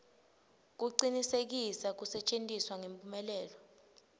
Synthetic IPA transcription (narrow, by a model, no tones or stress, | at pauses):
k̬uǀinisek̬isak̬usɛt͡ʃʼentʼiswaŋempʼumɛlɛːlɔ